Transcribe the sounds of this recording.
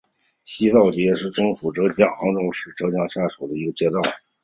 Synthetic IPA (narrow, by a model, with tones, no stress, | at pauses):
ɕi˥t̪ɑ˥˩ʊt͡ɕjɛ˧˥ʂɻ̩˥˩ʈ͡ʂɤ˥˩ŋfu˨˩ʈ͡ʂɤ˧˥t͡ɕjɑ˥˩ŋɑ˧˥ʊʈ͡ʂʊ˥˧ŋʂɻ̩˥˩ʈ͡ʂɤ˧˥t͡ɕjɑ˥˩ŋɕja˥˩ʂu˨˩ʊd̪ə˦i˧˥ɡə˧t͡ɕjɛ˥t̪ɑ˥˩ʊ